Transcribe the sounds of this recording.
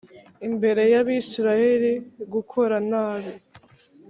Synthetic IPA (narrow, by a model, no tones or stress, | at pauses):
imbe̞ɾe̞jaβisiɾajeɾiɡukʰo̞ɾanaːβi